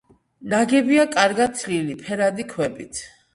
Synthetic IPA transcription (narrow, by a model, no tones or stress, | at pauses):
naɡɛbiakʼaɾɡat̪̚sʰlilipʰɛɾad̪ikʰwɛbit̪ʰ